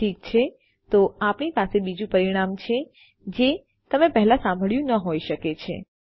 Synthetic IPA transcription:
ik̚t͡ʃʰe | t̪oapɳipasebid͡ʒũpəɾiɽ̃amt͡ʃʰe | d͡ʒe | t̪əmepɛɦlãsãmbʱəɭjũnəɦoiʃəket͡ʃʰḛ

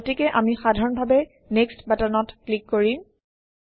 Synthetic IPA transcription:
otikɛʔamixadʱaɹɔnbʱabɛ | nekstbatanɔtklikːoɹi

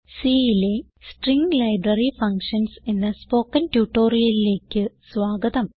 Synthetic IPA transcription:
siːile | sʈriŋɡlɐjbɾɐrifɐŋkʂɐnsenːɐspo̞ːkːɐntjuːʈːo̞ːɾijɐlile̞ːkʲːɨsʋaːɡɐðɐm

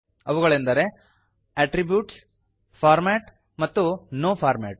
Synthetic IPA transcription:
ɐʋuɣɐɭend̪ɐɾe̞ | ɐʈɾibjuːʈs | pʰaːɾmeːʈ | mɐt̪ːunoːpʰaːɾmeːʈ̚

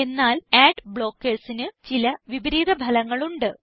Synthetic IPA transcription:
e̞nːaːleːɖbɭo̞ːkːeːrsinɨt͡ɕilɐʋibɐɾiːd̪ɐbʱɐlɐŋːɐɭuɳɖɨ

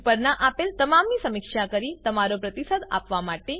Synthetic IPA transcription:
pəɾɳaʔapelt̪əmamiːsəmikʂakəɾiːt̪əmaɾopɾət̪isəd̪a̰pʋamaʈːe

